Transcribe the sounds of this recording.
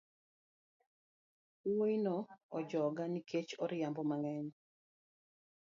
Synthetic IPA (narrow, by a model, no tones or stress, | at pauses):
woinɔɔd͡ʒɔɡanikʰet͡ʃɔɾɪjambɔmaŋɛɲ